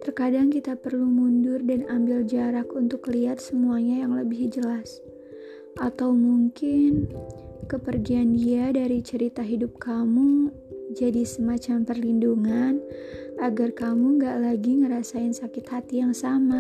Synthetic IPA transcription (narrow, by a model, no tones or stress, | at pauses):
t̪ərkadaŋkit̪apərlumundʊrdanambɪld͡ʒaɾakunt̪ʊkliɦat̪̚səmuaɲajaŋləbɪhd͡ʒəlas | ʔat̪awmuŋkɪnkəpərɡiandiadaɾit͡ʃəɾit̪aɦidʊp̚kamu | d͡ʒadisəmat͡ʃampərlinduŋanʔaɡarkamuŋɡaʔlaɡiŋəɾasaɪnsakɪt̪hat̪ijaŋsama